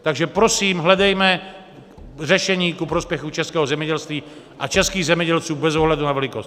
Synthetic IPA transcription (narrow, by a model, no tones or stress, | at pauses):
t̪aɡʒɛpɾosiːmɦlɛd̪ɛjmɛ | rɛʃɛɲiːkupɾospjɛxut͡ʃɛskɛːɦozɛmjɛɟɛlst̪ʋiː | ʔat͡ʃɛskiːɣzɛmjɛɟɛlt͡suːbɛzoɦlad̪unavɛlikost